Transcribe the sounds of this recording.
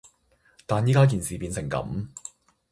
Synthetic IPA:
t̪aː˨njiː˥kaː˥k̬iː˨nsiː˨piː˨˧nsɪ˨˩ŋkɐ̰˨˥m

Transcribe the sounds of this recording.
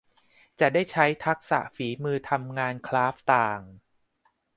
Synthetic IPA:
t͡ɕa˨˩daː˥˩jt͡ɕʰa˦˥jt̪ʰa˦˥k̚sa̰˨˩ʔfiː˩˦mɯː˧t̪ʰa˧mŋaː˧nkʰlaː˦˥f̚t̪aː˨˩ŋ

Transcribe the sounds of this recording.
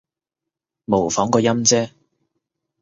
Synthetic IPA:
mo˨˩wfɔː˨˥ŋkɔː˧jɐ˥mt͡sɛː˥

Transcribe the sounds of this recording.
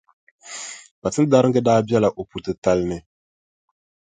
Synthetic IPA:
ba˨tɨ˦n˦da˦ɾɨ˦ŋɡɨ˦daː˦bɛ˦la˨ʔo˨pu˨˦tɨ˦ta˦lnɨ˨

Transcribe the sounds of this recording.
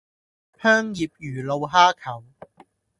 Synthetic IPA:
pʰœː˥ŋjiː˨p̚jyː˨˩lo˧wɦaː˥kʰɐ˨˩w

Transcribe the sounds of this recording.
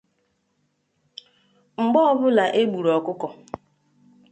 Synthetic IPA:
ŋ͡m̩˨ɡ͡bɔ˦ɔ˦bʊ˦la˨ʔe˦ɡ͡bu˨ɾɔ˨kʊ˦kɔ˨

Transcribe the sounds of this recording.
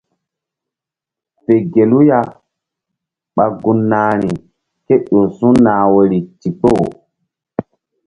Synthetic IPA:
pe˨ɡe˨lu˦ja˦ | ɓa˨ɡu˨nːaː˨ɾi˨ | ke˦ɗo˨sũ˦naː˨we˨ɾi˨ti˨po˦˨

